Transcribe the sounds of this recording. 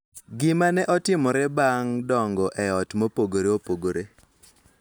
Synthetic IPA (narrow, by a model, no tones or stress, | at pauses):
ɡɪmanɛʔɔtɪmɔɾɛbaŋdɔŋɡɔʔɛɔtmopoɡoɾeopoɡoɾe